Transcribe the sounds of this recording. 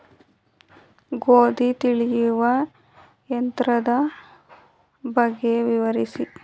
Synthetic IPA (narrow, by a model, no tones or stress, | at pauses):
ɡoːd̪it̪iɭijuʋɐ | jɐnt̪ɾɐd̪ɐ | bɐɡːeʋiʋɐɾisi